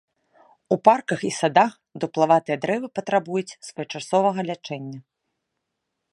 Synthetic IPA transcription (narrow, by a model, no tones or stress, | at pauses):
uparkɐxisad̪ax | d̪uplˠavat̪ɨjɐd̪ɾɛvɨpɐt̪ɾabujut͡sʲsvɐjɔt͡ʂasɔvɐɣɐlʲat͡ʂɛnʲːɐ